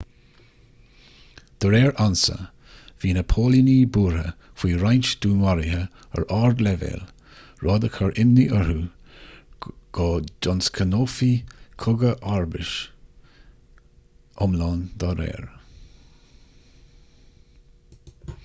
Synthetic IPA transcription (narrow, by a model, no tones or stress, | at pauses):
d̪̥əɾɛːɹʔansə̰ | viːnəpʰoːliniːbuːɹə̰ | fwiːɾajnt͡ʃd̪̥uːnwaɾɪhə | ə̰ɹʔɑːɹd̪lɛvḛːl | ɹɔːd̪əkʰəɹʔɪnːiʔəɹu | ɡ̥ɔːdɔnskʰənoːfikʰʊɡəʔaɹbɪʃ | ʔɔmlɑːnd̪ɑɾɛ̰ːɹ